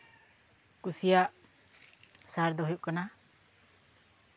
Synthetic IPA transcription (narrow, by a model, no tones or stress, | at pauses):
kusijaʔ | saɾd̪ɔɦujuʔkana